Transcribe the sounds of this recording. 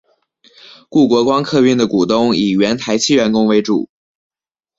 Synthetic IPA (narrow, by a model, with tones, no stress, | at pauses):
ku˥˩kwɔ˧˥kwɑ˥ŋkʰɤ˥˧y˥˩nd̪ə˩ku˨˩t̪ʊ˥ŋi˨˩ɥɛ˧˥nt̪ʰa˧˥ɪt͡ɕʰi˥ɥɛ˧˥nkʊ˥ŋwe˧˥ɪʈ͡ʂṵ˨˩˦